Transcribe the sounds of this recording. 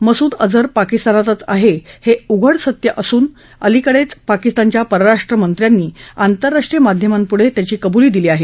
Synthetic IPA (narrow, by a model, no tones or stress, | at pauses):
məsuːd̪əd͡zəɾpakist̪anat̪ət͡saɦeheuɡʱəɽsət̪jəʔəsuːn | əlikəɽet͡spakist̪aɲt͡ɕjapəɾəɾaʂʈɾəmənt̪ɾjanːiːant̪əɾːaʂʈɾijəmad̪ʱjəmampuɽ̤et̪jat͡ɕiːkəbuliːd̪iliːaɦe